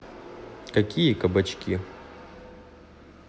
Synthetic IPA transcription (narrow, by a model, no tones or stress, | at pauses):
kɐkʲʰijəkɐbɐt͡ɕkʲi